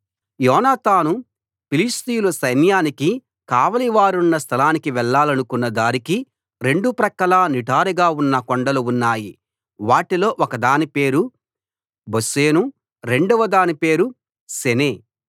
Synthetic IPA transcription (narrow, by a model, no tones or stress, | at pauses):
jɔːnaːt̪aːnu | pilist̪ijulɐsɐjnjaːniki | kaːʋɐliʋaːɾunːɐst̪ʰɐlaːnikiʋɛɭːaːlɐnukunːɐd̪aːɾiki | ɾe̞ɳɖupɾɐkːɐlaːniʈaːɾiɡaːunːɐkoɳɖɐluunːaːji | ʋaːʈilo̞ːʔɔkɐd̪aːnipe̞ːɾu | bose̞ːnu | ɾe̞ɳɖuʋɐd̪aːnipe̞ːɾu | seneː